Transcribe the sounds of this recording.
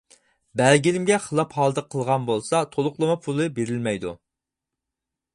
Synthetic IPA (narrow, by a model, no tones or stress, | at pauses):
bæɾɡʲinɪmɡʲɛχəlˠɑphɑlˠɨd̪əqʰːəlˠʁɑnbolˠsɑt̪ʰolˠʊqlˠɨmɑpʰulˠɨbeɾɪlmɛjd̪u